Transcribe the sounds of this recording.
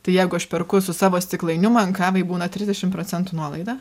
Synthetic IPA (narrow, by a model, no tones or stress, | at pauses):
t̪ɐɪjɛɪɡʊɐʃpʲɛɾkʊsʊsɑːʋoːsʲt̪ʲɪklˠɐɪnʲʊmɐɐŋkɑːʋɐɪbuːnɐt̪ʲɾʲɪzʲdʲɛʃʲɪmpɾoːt͡s̪ʲɛnt̪ʊnuɔlˠɐɪd̪ɑː